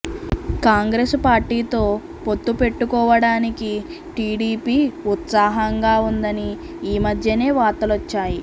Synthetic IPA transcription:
kaːŋɡɾespaːɾʈiːt̪o̞ː | po̞t̪ːupe̞ʈːukɔːʋɐɽaːniki | ʈiːɽiːpiːut̪saːɦɐŋɡaːund̪ɐni | iːmɐd̪ʱjɐne̞ːʋaːɾt̪ɐlot͡ʃːaːji

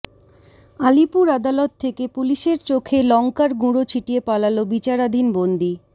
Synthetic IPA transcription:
alipuɾad̪alɔt̪ʰːekepuliʃeɾt͡ɕokʰelɔŋkaɾɡuɽot͡ɕʰiʈiepalalobit͡ɕaɾad̪ʱinbond̪i

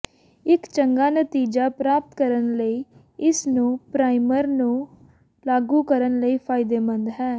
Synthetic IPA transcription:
ɪkt͡ʃəŋɡaːnət̪iːd͡ʒaːpɾaːp̚t̪kəɾənləiː | ɪsnũːpɾaːɪməɾnũː | laːɡuːkəɾənləiːpʰaːɪd̪eːmə̃nd̪ɦɛː

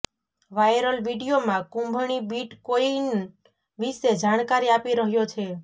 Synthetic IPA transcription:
ʋajɾəlʋiɖijomãkũmbʱɳ̃ibiʈkoin | ʋised͡ʒaɽ̃kaɾiapiɾəɦjot͡ʃʰe

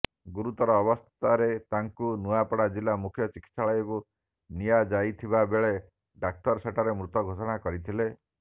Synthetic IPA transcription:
ɡuɾut̪ɔɾɔːbɔst̪t̪ʰaɾet̪aŋkunuapɔɽad͡ʒilamukʰjɔt͡ʃikit̪saɭɔjɔku | nijad͡ʒajt̪ʰibabeɭe | ɖak̚tɔɾseʈaɾemɾut̪ɔɡʱosɔɽ̃akɔɾit̪ʰile

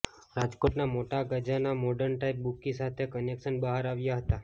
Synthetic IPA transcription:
ɾad͡ʒkoʈnamoʈaɡəd͡ʒanamoɖəɾɳʈaip̚bukĩsat̪ʰekənekʃənbəɦaɾaʋjaɦət̪a

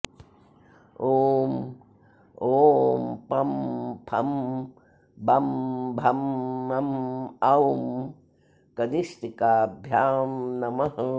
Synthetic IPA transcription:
oːm | oːmpɐmpʰɐ̰m | bɐmbʱɐmːɐmɐm | kɐnist̪ikaːbʱjaːmnɐmɐɦɐ

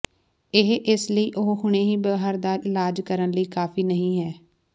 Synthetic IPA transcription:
ɪɦʔɪsləiːʔʊɦhʊɽ̃eːɦiːbəɦaːɾd̪aːʔɪlaːd͡ʒkəɾənləiːkaːfiːnəɦĩːɦɛː

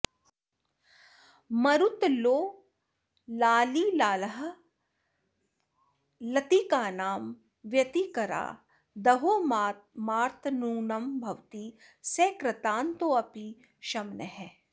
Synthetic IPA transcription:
mɐɾut̪loː | laːlilaːləɦɐ̆ | lɐt̪ikaːnaːm | ʋjɐt̪ikɐɾa̰ː | d̪ɐɦoːmmaːɾt̪ʰnuːnɐmbʱɐʋt̪iː | seːkɾɐt̪aːnt̪oːɐpi | ʃɐmnəɦɛː

